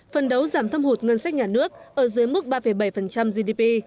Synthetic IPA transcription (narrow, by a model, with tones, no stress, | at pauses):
fə˨˩nɗə˨˦wzaː˧˩mt̪ʰə˧ŋ͡mho˨˩t̚ŋə˧nsa˦˥k̚ɲaː˨˩nɨ˦˥ək̚ʔəː˧˩zɨ˨˦əjmu˦˥t̚ɓaː˧fə˧˩jɓa˧˩jfə˨˩nt͡ɕa˧mzi˧ɗi˧pi˧